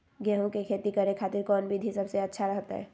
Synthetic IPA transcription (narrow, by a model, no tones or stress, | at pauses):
ɡjɛːɦõkekʰeːt̪ikəɾẽkʰaːt̪ɪɾkɔːnbʱid̪ʱisɐbseɐtːʃʰaɾəɦt̪a̰ɦɛ̰ː